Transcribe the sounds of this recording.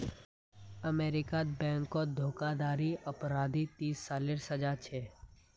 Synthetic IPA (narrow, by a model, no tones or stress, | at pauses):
əmeːɾɪkad̪bɛ̃ːŋkːod̪ʱoːkad̪aːɾiʔɐpɾaːd̪it̪iːsːaːleɾsəd͡ʒaːɾt͡ʃʰeː